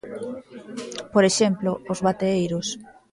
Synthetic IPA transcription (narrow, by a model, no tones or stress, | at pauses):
poɾeʃemploʊzβat̪eejɾʊs